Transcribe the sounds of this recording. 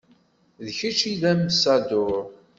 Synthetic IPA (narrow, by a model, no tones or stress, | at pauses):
ðçət͡ʃiðæmsɑd̪ʊɾ